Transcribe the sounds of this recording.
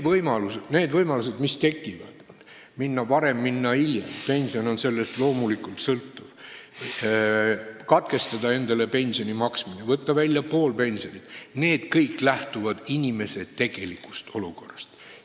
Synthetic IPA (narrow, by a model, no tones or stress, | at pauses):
vɤjmɑlusene̞ːd̪vɤjmɑlus̬e̞d̪mist̪e̞kːˑivɑ̰d̪̥ | minːɑvɑɾe̞mːinːɑilʲjḛmpe̞nʲsio̞no̞nse̞lːe̞st̪lo̞ːmulikˑult̪sɤlt̪ːuv̥ | kɑt̪ke̞st̪ɑd̪̥ɑe̞nd̪ɑle̞pe̞nʲsio̞nʲimɑksminevɤt̪ːˑɑvælʲːjɑpo̞ːlpe̞nʲsio̞nʲid̪̥ne̞ːd̪̥kɤjkːˑlæht̪uvɑd̪̥inʲime̞se̞t̪e̞ɡ̥e̞likːˑu̥st̪o̞luko̞rːɑst̪